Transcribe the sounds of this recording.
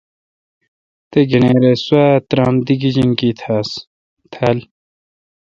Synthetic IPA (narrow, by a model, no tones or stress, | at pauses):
t̪eɡɐneːɾeswaːt̪ɾãːmd̪iɡid͡ʑiŋkit̪ʰaːs | t̪ʰaːl